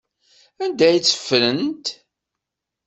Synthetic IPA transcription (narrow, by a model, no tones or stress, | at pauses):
ænd̪æjt͡sːə̥fːlənt̪